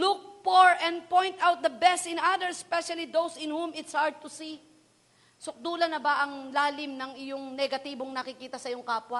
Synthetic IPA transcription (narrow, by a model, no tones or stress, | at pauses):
luk̚poɹɛ̃nd̪̚põjnt̪awt̪̚d̪ɐbɛst̪ɪ̃nad̪əɹspɛʃɐlid̪owsɪ̃nhũmɪt̪shaɹd̪̚t̪ʊsi | sʊk̚d̪uːlɐnɐbɐʔɐŋlaːlɪmnɐŋɪjoŋnɛɡɐt̪iːboŋnɐkɪkiːt̪ɐsɐjoŋkaːpwɐ